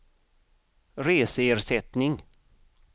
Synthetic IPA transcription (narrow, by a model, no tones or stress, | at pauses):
ɾeːsəeːɾsɛt̪nɪŋ